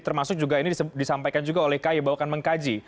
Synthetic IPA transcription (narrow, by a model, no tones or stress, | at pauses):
t̪ərmasʊk̚d͡ʒuɡainidisampajkand͡ʒuɡaolɛhkajibawakanməŋkad͡ʒi